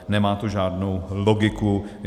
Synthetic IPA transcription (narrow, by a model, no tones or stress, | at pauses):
nɛmaːt̪uʒaːdnowloɡɪku